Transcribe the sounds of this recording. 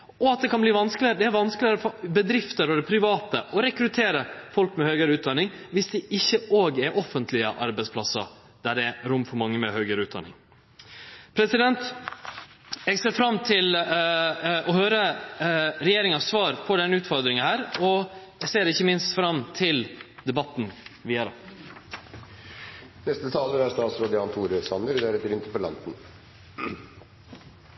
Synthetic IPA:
ɔɑt̪̚d̪ɛkʰɑnbliːʋɑnskəlɪəɾəd̪ɛæɾʋɑnsklɪəɾəfɔɾbəd̪ɾɪft̪əɾɔd̪ɛpʰɾɪʋɑːt̪əʔɔɾɛkɾʉt̪ʰeːɾəfɔlkmɛhœːɡəɾəʉːt̪̚d̪ɑnːɪŋʋɪsd̪ɛʔɪçːəʔoːɡɛɾʔɔfənt̪ʰlɪə̰ʔɑ̰ɾbæɪspʰlɑsə̰ | d̪̥æɖɛɛɾʊmːfɔɾmɑŋːəmɛ̰hœːɡəɾʉːt̪̚d̪ɑ̰nɪ̰ŋ | pʰɾɛsɪd̪ɛnt̪ | ɛɡseːɾfɾɑmːt̪ʰɪl | ɔhøːɾə | ɾɛjeːɾɪŋɑsʋɑːɾpʰɔɖ̪ɛnʉːt̪fɔɾd̪ɾɪŋəhæːɾɔ | ɛseːɾɪçːəmɪnst̪fɾɑmːt̪ʰɪld̪ɛbɑt̪ːn̩ʋiːəɾɑ | nɛst̪ət̪ʰɑːləɾæɾst̪ɑːt̪sɾoːd̪əɑnt̪ʰuːɾøsɑnəɾd̪æɾɛt̪ːəɾɪnt̪əpɔlɑ̰nt̪n̩

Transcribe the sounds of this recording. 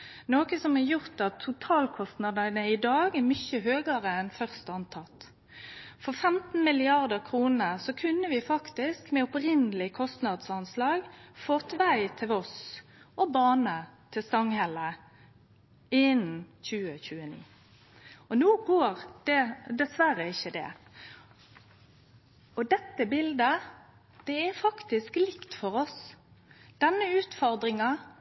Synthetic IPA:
noːkəsɔmɛɾjʊʁt̪ɑt̪ʰːʊt̪ʰɑːlkʰɔst̪nɑd̪əənəɪd̪ɑːɡɛɾmʏçəɦøːɡəʁəɛnfœʁst̪ɑnt̪ʰɑt̪ | fɔfɛmt̪n̩mɪlɪɑʁd̪əɾkʰɾuːnəsɔkʰʉnːəʋɪfɑkt̪ɪskmɛʊpɾɪnəlɪkʰɔst̪nɑd̪sɑnslɑːɡfɔt̪ʋæɪt̪ʰɪlɔsʔɔbɑːnət̪ʰɪst̪ɑŋhɛlə | ɪn̩çʉːəçʉːənḭː | ɔnuːɡoːɾd̪̥ɛd̪ɛsʋæɾəɪçːəd̪ɛ̰ | ɔd̪ɛt̪ːəbɪld̪ə | d̪̥ɛæfɑkt̪ɪsklɪkt̪fɔɾɔs | d̪̥ɛnːəʉːt̪fɔɾd̪ɾɪŋɑ

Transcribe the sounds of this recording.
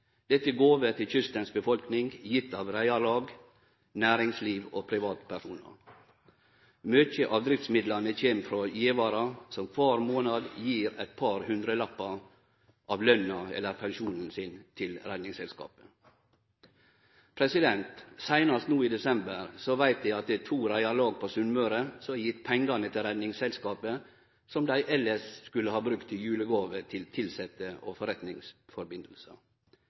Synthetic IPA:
d̪̥ɛt̪ːəɡoːʋət̪ʰɪlçʏst̪ɑnsbəfɔlknɪŋjɪt̪ːɑʋɾæɪɑlɑːɡ | næːɾɪŋsliːʋo̰ːpʰɾɪʋɑːt̪pʰæʂuːnɑ̰ɾ | møːçəʔɑːʋd̪ɾɪft̪smɪd̪lɑnəçeːmfɾoːjeːʋɑːɾɑsɔmkʰʋɑːɾmoːnɑd̪jiːɾæ̰t̪̚pʰɑːɾhʉnd̪ɾəlɑpːɑ | ʔɑːʋlœnɑɛ̰lːəɾpʰɛnʃuːnn̩sɪnt̪ʰɪlɾæd̪nɪŋsɛlskɑ̰ːpə̥ | pʰɾɛsɪd̪ɛnt̪sæɪnɑst̪nuːiːd̪ɛsɛmbəɾsɔʋæɪt̪̚d̪æɪɑt̪̚d̪ɛt̪ʰuːɾæɪɑɾloːɡ̚pʰosʉnmœːɾəsɔjɪt̪ːpʰɛŋɡɑnət̪ʰɪɾɛd̪nɪŋsɛlskɑːpə | sɔmd̪æɪʔɛlːəʂskʉlːəhɑːbɾʉkt̪ʰːɪjʉːləɡoːʋət̪ʰɪlt̪ʰɪlsɛt̪əɔfɔɾɛt̪nɪŋsfɔɾbɪnd̪l̩sə̰

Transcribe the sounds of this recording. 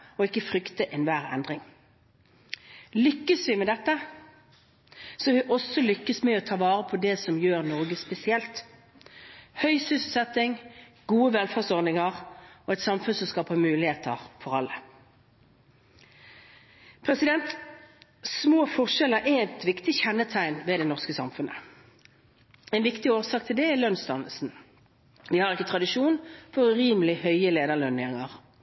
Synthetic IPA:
ɔɪkːəfɾʏkt̪əʔɛnʋæːʁɛ̰nd̪ʁɪŋ | lʏkːəsʋɪmɛd̪ɛt̪ːə | sɔʋɪʔɔsːɔlʏkːəsmɛɔt̪ʰɑːʋɑːɾəpʰɔd̪ɛsɔmjøːʁnɔɡəspɛsɪɛlt̪ | hœʏsʏsəsɛt̪ːɪŋ | ɡ̥uːəʋɛlfæːʁsɔɾd̪ɪŋəʁɔɛɪt̪sɑmfʉnsɔmskɑːpəmʉːlɪheːt̪ʰə̰ʁfɔʁɑlːə | pʰʁɛsɪd̪ɛnt̪ | smoːfɔʁʃɛləɾʔɛɛt̪ʋɪkt̪ɪçɛnːət̪ʰæɪnʋɛd̪ɛnɔʁskəsɑmfʉnə | ɛɪnʋɪkt̪ɪoːʁsɑːkt̪ʰɪld̪ɛɛʁlœnsd̪ɑnəl̩sn̩ | ʋɪhɑʁɪkːət̪ʰʁɑd̪ɪʃuːnfɔʁʉʁiːməlɪhœʏəleːd̪əʁlœneːʁɪŋəʁ

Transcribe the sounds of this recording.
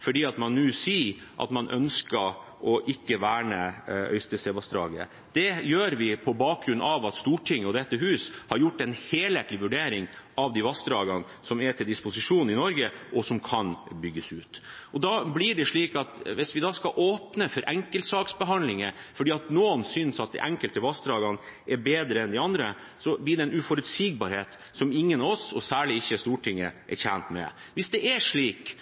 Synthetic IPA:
fɔɖiːɑt̪mɑnːʉːsiːʔɑ̰t̪mɑnʔœ̰nskə | ʔɔʔɪkːəʋæːɳəœ̰ʏst̪əsɛʋɑsd̪ɾɑ̰ːɡəə̰ | d̪̥ɛjøːɾʋɪpʰɔbɑːk̚ːɾʉnːɑʋɑt̪st̪uːʈʰɪŋːəɔd̪ɛt̪ːəɦʉːshɑɾjʊʈːɛnheːlheːt̪lɪʋʉɖeːɾɪŋɑʋd̪iːʋɑsd̪ɾɑːɡɑn | sɔmɛʈ̪ʰɪld̪ɪspʊsɪʂuːnn̩ɪnɔɾɡəʔɔsɔmkʰɑnbʏɡːəsʉːt̪ɔd̪ɑːblɪɖɛʂɭiːkɑt̪ʋɪsʋɪd̪ɑːskɑʔoːpnəfɔɾʔɛŋkəlt̪sɑːksbəɦɑnlɪŋə | fɔɖiːɑt̪noːnsʏnsɑt̪̚d̪ɛ̰ʔæŋkəlt̪əʋɑsd̪ɾɑːɡɑnʔɛɾbeːd̪ɾəɛnd̪ɪɑnd̪ɾə | sɔblɪːɖɛɛnʉfɔɾʉt̪siːɡ̚bɑɾheːt̪ | sɔmɪŋːənɑʋɔsɔsæːɭɪɪçːəst̪uːʈʰɪŋːəʔɛ̰ɾçænt̪mɛ̰ʋɪsd̪ɛʔɛʂɭiːk

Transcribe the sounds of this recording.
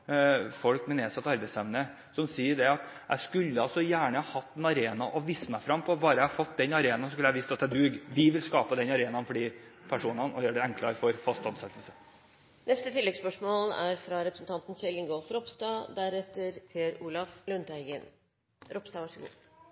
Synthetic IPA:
fɔlkmɛneːsɑt̪ːɑɾbæɪsɛmnə | sɔmsiːəɖɛɑt̪ʔæ̰ɪskʉlːəɑlsɔjæːɳəhɑhɑt̪ːɛnɑɾeːnɑ̰ʔɔʋisəmæɪfɾɑmːpʰɔbɑːɾəjæhɑfɔt̪̚ːd̪ɛnɑɾeːnɑsɔskʉlːæhɑʋɪst̪ɑt̪ːɛd̪ʉɡʋɪʋɪlskɑːpəd̪ɛnɑɾeːnɑnfɔɖiːpʰæʂuːnɑnɔjøːɖɛɛŋkʰlɑɾfɔɾfɑst̪ɑnsɛt̪ːəlsə | nɛst̪ət̪ʰɪlːɛɡspœʂmoːlæ̰ɾfɾɑɾɛpɾəsnt̪ʰɑnt̪n̩sɛlɪŋɡolfɾɔpst̪ɑːd̪æɾɛt̪ːəɾpʰeːɾuːlɑflʉnt̪æɪɡən | ɾɔpst̪ɑːʋɑʂəɡṵː

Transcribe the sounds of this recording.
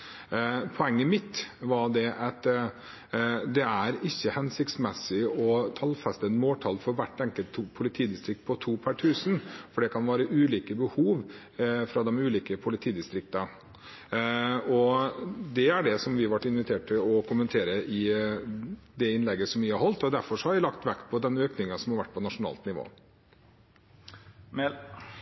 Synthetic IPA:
pʰɔɛŋːəmɪt̪ːʋɑɖ̪ɛʔɛt̪ | d̪ɛæɾɪçːəhɛnsɪk̚t̪smɛsɪɔt̪ʰɑlfɛst̪əɛnmoːʈ̪ʰɑlfɔɾʋæʈːɛŋkəlt̪pʰʊlɪt̪ʰiːd̪ɪst̪ɾɪk̚t̪̚pʰɔt̪ʰuːpʰæʈʰʉːsənfɔɖɛkʰɑnʋæːɾəʔʉːliːkəbəhuːʋ | fɾɑd̪ɛmʉːliːkəpʰʊlɪt̪ʰiːd̪ɪst̪ɾɪk̚t̪ɑ | ɔ | d̪ɛæɖɛsɔmʋɪhɑʋæʈːɪnʋɪt̪ʰeːʈʈ̪ɪlɔkʰʊmənt̪ʰeːɾəʔɪ | d̪ɛɪnlɛɡːəsɔmʋɪhɑɾhɔlt̪ɔd̪æɾfɔʂɔhɑɾʋɪlɑkt̪ʋækpʰɔd̪ɛnøːknɪŋɑsɔmhɑɾʋæʈ̚ːpʰɔnɑʂʊnɑ̰ːlt̪nɪʋo̰ː

